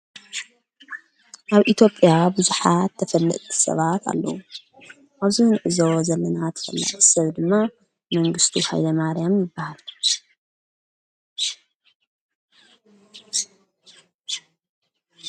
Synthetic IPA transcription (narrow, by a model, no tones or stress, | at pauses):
ʔaβʔit̪ʰjo̞pʼjabɨzuħat̪ʰːɐfɐlːɨ̰ʔt̪ʰi̥sɐ̰βat̪ʰa̰lːɐ̰wu | ʔaβzihɨnʔɨzowozɐlːɐnat̪ʰɐ̥fɐ̰lːa̰ʕisɐβd̪ɨmːa | mɐŋɡɨst̪ʰiha̰jlɐmaɾjamjɪbːahal